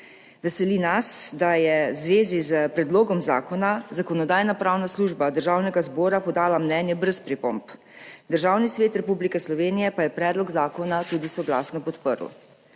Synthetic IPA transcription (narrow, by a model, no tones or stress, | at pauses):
ʋɛsɛlinasd̪ajɛzʋeːzizəpɾɛd̪loːɡɔmza̰ːkɔnazakɔnɔd̪aːjnapɾaːwnasluːʒbad̪əɾʒaːwnɛɡazbɔːɾapɔd̪aːlamnɛːnjɛbɾɛspɾipo̰mp | d̪əɾʒaːwnisʋeːt̪ɾɛpublikɛslɔʋeːnijɛpajɛpɾɛːd̪lɔɡzaːkɔnat̪uːd̪isɔɡla̰ːsnɔpɔt̪pə̰ɾuw̰